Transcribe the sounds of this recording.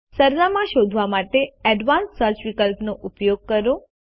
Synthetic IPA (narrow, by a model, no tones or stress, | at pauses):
səɾnamãʃod̪ʱʋamaʈeɛɖʋanssəɾt͡ʃʋikəlpnoʔupjoɡ̚kəɾõ